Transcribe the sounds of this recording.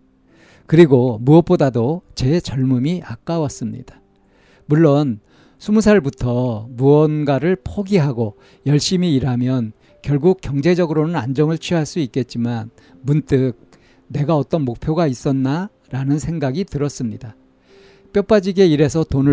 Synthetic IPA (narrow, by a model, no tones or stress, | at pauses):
kɯɾiɡomuʌp͈odadot͡ɕe̞t͡ɕʌɭmumiak͈awʌs͈ɯmɲḭda | muɭːʌn | sʰumusʰaɭbutʰʌmuʌnɡwaɾɯɭpʰoɡiɦaɡo | jʌɭɕ͈imiːɾɦamjʌn | kjʌɭɡuk̚k͈jʌŋd͡ʑe̞d͡ʑʌɡɯɾonɯnand͡ʑʌŋɯɭt͡ɕʰɥiɦaɭs͈uik͈e̞t̚t͡ɕ͈iman | munt͈ɯk̚ | ne̞ɡaʌt͈ʌnmok̚pʰjoɡais͈ʌnːa | ɾanɯnsʰe̞ŋɡaɡitɯɾʌs͈ɯmɲida | p͈jʌp͈ad͡ʑiɡe̞iɾe̞sʰʌtonɯ